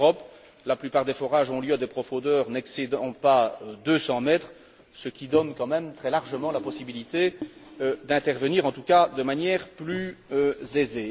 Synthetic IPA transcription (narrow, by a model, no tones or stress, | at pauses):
ʁɔp | laplypaːʁd̪efɔʁaʒɔ̃ljøad̪epχɔfɔ̃d̪œːʁnɛksed̪ɑ̃paød̪øsɑ̃mɛt̪χ | səkʲid̪ɔnkɑ̃mɛmt̪χɛlaʁʒəmɑ̃lapɔsibilit̪eød̪ɛ̃t̪ɛʁvəniːʁɑ̃t̪ukad̪əmanjɛʁplyøzeze